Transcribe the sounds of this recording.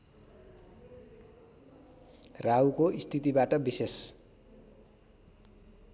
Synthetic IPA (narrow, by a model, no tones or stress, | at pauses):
rawkoist̪ʰit̪ibaʈʌbises